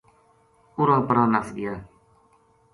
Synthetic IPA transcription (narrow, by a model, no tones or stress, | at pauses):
uɾapɾanasḭja